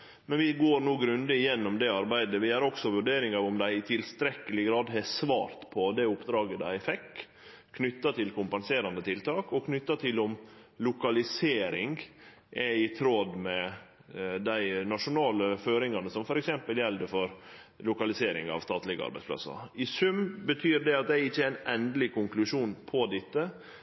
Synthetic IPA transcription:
mɛnʋɪɡoːɾnuːɡɾʉnd̪əɪjɛnːɔmd̪ɛɑɾbæɪd̪əʋɪæɾɔksɔʋʉɖeːɾɪŋɑʋʊmd̪æɪɪt̪ʰɪlst̪ɾɛkːəlɪɡɾɑːd̪ɦɛsʋɑ̰ːɾt̪pʰɔd̪ɛʊpd̪ɾɑːɡəd̪æɪfɛkːʰ | nʏt̪ːɑt̪ʰɪlkʰʊmpɑnseːɾɑnd̪ət̪ʰɪlt̪ʰɑːkɔkʰnʏt̪ːɑt̪ʰɪlʊmlʊkɑlɪseːɾɪŋɡ | ʔɛɪt̪ʰɾod̪mɛ | d̪æɪnɑʂʊnɑːləføːɾɪŋɑnəsɔmfɔɾɛksɛmpəljɛld̪əfɔɾlʊkɑlɪseːɾɪ̰ŋɑ̰ʋst̪ɑːt̪lɪɡəɑ̰ɾbæɪspʰlɑ̰sːɑ̰ɪsʉmbət̪ʰyːɾɖ̪ɛɑt̪̚d̪æɪɪçːəææɪnɛnd̪əlɪkʊŋklʉʂuːnpʰɔd̪ɪt̪ːə

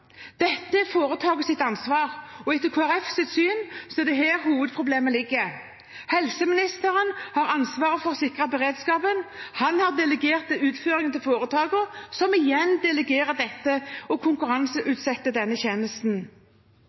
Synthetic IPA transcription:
d̪̥ɛt̪ːəɛfoːʁət̪ʰɑːɡəsɪt̪ɑnsʋɑːʁɔɛt̪ːəkʰoːæʁɛfsɪt̪syːnsɔɛd̪ɛɦæːʁhuːʋəd̪̚pʰʁʊbleːməlɪɡːə | hɛlsəmɪnɪst̪əʁənhɑʁɑnsʋɑːʁəfɔʁsɪkʁɑbɛʁeːd̪skɑːpənhɑnhɑʁd̪ɛləɡeːʁt̪̚ːɪʉːt̪føːʁɪŋənt̪ʰɪlfoːʁət̪ʰɑːɡəʁsɔmɪjɛnd̪ɛləɡeːɾəd̪ɛt̪ːəɔkʰʊŋkʉʁɑnsəʔʉːt̪sɛt̪ːəd̪ɛnːəçeːnəst̪n̩

